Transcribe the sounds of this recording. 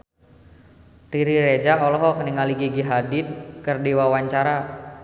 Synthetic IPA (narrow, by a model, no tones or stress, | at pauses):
riɾiɾed͡ʒaɔlɔɦɔkəniŋaliɡiɡiɦadit̪̚kərdiwawaɲt͡ʃaɾa